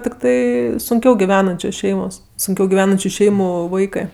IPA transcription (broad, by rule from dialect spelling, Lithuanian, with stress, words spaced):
tʲɪkˈtɐɪ sʊŋʲˈkʲɛʊ ɡʲɪˈʋʲæːnɐnʲt͡ʃʲoːs ˈʃʲɛɪmoːs sʊŋʲˈkʲɛʊ ɡʲɪˈʋʲæːnɐnʲt͡ʃʲʊ ˈʃʲɛɪmʊ ˈʋɐɪkɜ